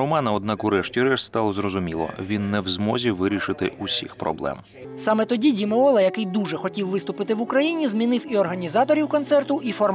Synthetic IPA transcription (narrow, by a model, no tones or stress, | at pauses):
ɔmɑnɐɔd̪̚nɑkʊɾɛʃtʲiɾɛʃst̪ɑlˠɔzrɔzʊmʲilˠɔ̰ʋʲinːɛwzmɔzʲiʋɪɾʲiʃɪt̪ɪʔusʲixpɾɔ̰blˠɛ̰m | sɑmɛt̪ɔdʲidʲimɔɔlˠɛjɐkɪjd̪uʒɛxɔtʲiwʋɪst̪ʊpɪt̪ɪʋʊkɾɐjinʲizmʲinɪwiɔrɦɐnʲizɑt̪ɔɾʲiwkɔnsɛrt̪ʊʔifɔrm